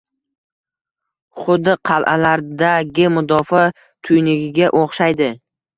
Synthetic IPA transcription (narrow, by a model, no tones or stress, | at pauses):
χʊd̪ːɪqʰɑlˠʔa̰laɾd̪aɡʲɪmʊd̪ɒfa | t̪ʰʊjnɪɡʲɪɡʲaʔoχʃajd̪ɪ